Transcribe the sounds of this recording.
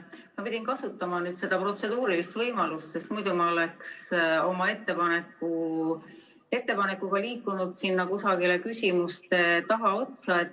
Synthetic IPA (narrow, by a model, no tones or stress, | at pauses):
mɑpid̪̥ʲinkɑsut̪ːˑɑmɑnyːd̪̥se̞d̪̥ɑpro̞t̪se̞d̪uːɾilist̪vɤjmɑlust̪se̞st̪mujd̪̥umɑole̞kso̞mɑe̞t̪ːe̞pɑne̞kːˑu | e̞t̪ːe̞pɑne̞kːuɡ̥ɑliːkːˑunud̪̥sinːɑkusɑɡile̞kysʲimust̪e̞t̪ɑɦɑo̞t̪sɑe̞t̪ːˑ